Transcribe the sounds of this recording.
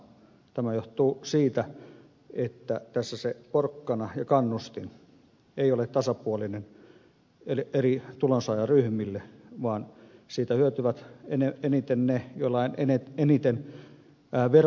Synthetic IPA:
t̪æmæjoht̪uːsiːt̪æ | et̪ːæt̪æsːæseporkːɑnɑjɑkɑnːust̪in | eiolet̪t̪ɑsɑpuolinen | elerit̪ulonsɑjɑryhmilːeʋɑːnsiːt̪æhyøt̪yʋæt̪eneenit̪ennejolːɑineneenit̪enː | ʋer

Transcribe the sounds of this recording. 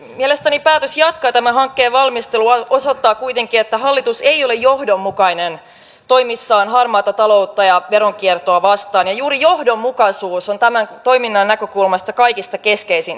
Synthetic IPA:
mielest̪ænipæːt̪øsjɑt̪kɑːt̪æmæɦɑŋkːeːʋɑlmist̪eluosot̪ːɑːkuit̪eŋkiet̪ːæhɑlːit̪useijolejjohdomːukɑinen | t̪o̞imisːɑːnɦɑrmɑːt̪ɑt̪ɑlo̞ut̪ːɑjɑʋeɾoŋkiert̪oɑʋɑst̪ɑːnjɑjuːɾijohdomːukɑsuːsont̪æmænt̪oiminːɑnːækøkulmɑst̪ɑkɑijkist̪ɑkeskeisin

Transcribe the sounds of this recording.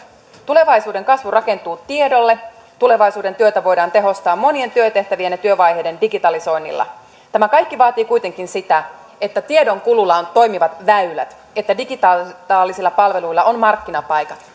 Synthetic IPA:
t̪ule̞ʋɑjsuːde̞ŋkɑsʋurɑke̞nt̪uːt̪ie̞do̞lːe̞ | t̪ule̞ʋɑjsuːde̞nt̪yøt̪æʋo̞jdɑːnt̪e̞ɦo̞st̪ɑːmːo̞nie̞nt̪yøt̪e̞ht̪æʋienːet̪yøʋɑjɦe̞jde̞ndiɡit̪ɑliso̞jnːḭlːɑ̰ | t̪æmækɑjkːiʋɑːt̪iːkujt̪e̞ŋkinsit̪æ | e̞t̪ːæt̪ie̞do̞ŋkululɑont̪o̞jmiʋɑt̪ʋæylæ̰t̪ | e̞t̪ːædiɡit̪ɑːt̪ɑːlːisilːɑpɑlʋe̞luilːɑʔonmɑrkːinɑpɑjkɑt̪

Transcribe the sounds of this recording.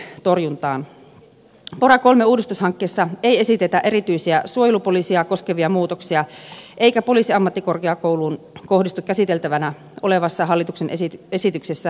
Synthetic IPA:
t̪o̞rjunt̪ɑːn | porɑkolmeuːdist̪ushɑŋkːeːsːɑeje̞sit̪et̪æʔerit̪yisiæsuojelupolisiɑko̞skeʋiɑmuːt̪oksiɑʔe̞ikæpo̞liːsiɑmːɑt̪ːikorkeɑkouluːn | ko̞hdist̪ukkæsit̪elt̪æʋænæ | ole̞ʋɑsːɑɦɑlːit̪uksenesesit̪yksesːæ

